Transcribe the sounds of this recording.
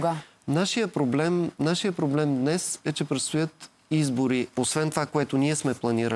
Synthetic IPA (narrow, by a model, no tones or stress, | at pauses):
ɡa | naʃijəpɾoblɛmnaʃijəpɾoblɛmd̪nɛsɛt͡ʃɛpɾɛt̪st̪ojɤt̪ | izboɾiosvɛnt̪ovakoɛt̪oniɛsmɛplˠɐniɾə̰